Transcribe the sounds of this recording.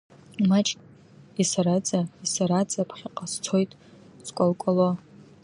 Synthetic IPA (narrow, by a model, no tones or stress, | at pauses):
mat͡ʃʼkʲʼ | isaɾad͡zʼaisaɾad͡zʼapʰχʲɪqʼast͡sʰojtʼ | skʷʼolkʷʼalo